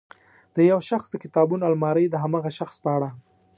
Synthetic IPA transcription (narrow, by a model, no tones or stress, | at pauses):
d̪̥əjawʃaxsd̪əkɪt̪ɑbunalmɑɾəjd̪əɦamɑɣaʃaxspəaɽa